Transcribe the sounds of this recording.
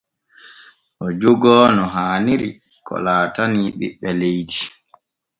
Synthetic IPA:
ʔɔd͡ʒoɡɔːnɔɦaːniɾi | kɔ̰laːtaniɓḭɓːɛlejdi

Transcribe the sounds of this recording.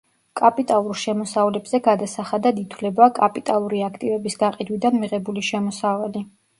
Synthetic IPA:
kʼapʼit̪ʼalˠuɾʃɛmɔsavlɛbz̥ɛɡad̪asaχad̪ad̪it̪ʰwlɛbakʼapʼit̪ʼalˠuɾiakʰt̪ʼivɛbisɡaqʼid̪wid̪anmiʁɛbuliʃɛmɔsavali

